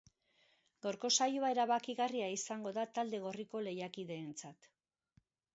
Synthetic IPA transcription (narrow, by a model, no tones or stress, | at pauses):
ɡ̥awɾko̞sajuae̞ɾaβakiɣariaisaŋɡo̞ðat̪ald̪e̞ɣ̞o̞riko̞le̞jakiðe̞ːnt͡sat̪